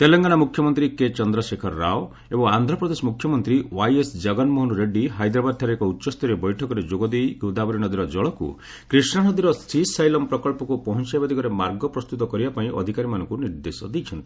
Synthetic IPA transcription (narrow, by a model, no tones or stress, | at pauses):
t̪elɔŋɡaɽamukʰjɔmɔnt̪ɾiket͡ʃɔnd̪ɾɔsekʰɔɾːa̰o | ebɔŋand̪ʱɾɔpɾɔd̪esɔmukʰjɔmɔnt̪ɾiwajesd͡ʒɔɡɔnmɔɦɔnuɾeɖiɦajd̪ɾabad̪̚t̪ʰaɾekɔutːʃɔst̪ɔɾebɔjʈʰɔkɔɾed͡ʒoɡɔd̪ejɡud̪abɔɾiñɔd̪iɾɔd͡ʒɔɭɔkṵ | kɾisɳanɔd̪iɾɔsisajlɔmpɾɔkɔɭpɔkupɔɦɔnt͡ʃajbad̪ʱikɔɾemaɾɡɔpɾɔst̪ut̪ɔkɔɾibapaĩʔɔ̰d̪ʱikaɾimanɔŋkuniɾd̪esɔd̪ejt͡ʃʰɔnt̪i̥